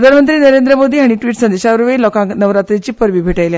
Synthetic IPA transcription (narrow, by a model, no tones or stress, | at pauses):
ɾd̪ʱanmənt̪ɾiːnəɾend̪ɾəmod̪ʱiːɦaɽ̃iʈʋiːʈsənd̪eɕaʋəɾʋelɔkãŋknəʋɾat̪ɾit͡ɕiːpəɾʋiːbʱeʈajlja